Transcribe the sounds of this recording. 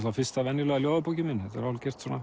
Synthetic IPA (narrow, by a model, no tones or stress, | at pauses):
t̪lafɪst̪avɛnjɪlœːɣaljoːwðapowcɪmɪnːhɛt̪ɛ̰ɾalcɛr̥t̪sɔːnːa